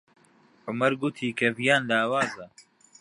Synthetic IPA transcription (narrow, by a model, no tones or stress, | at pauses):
ʕʊmɐɾɡut̪ʰiːkʰɐvijaːnlaːwaːzɐ